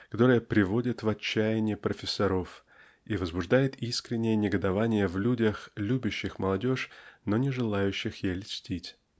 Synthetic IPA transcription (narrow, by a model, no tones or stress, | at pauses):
kɐt̪o̞ɾɨjəpɾʲɪvo̞dʲɪt̪vɐt͡ɕːæjɪnʲɪjɪpɾəfʲɪsːɐɾo̞f | ivəzbʊʐd̪ajɪt̪iskɾʲɪnʲːɪjənʲɪɡəd̪ɐvanʲɪjəvlʲudʲəxlʲubʲʊɕːɪxməlˠɐdʲo̞ʂnonʲɪʐɨlˠajʉɕːɪxjelʲɪsʲtʲitʲ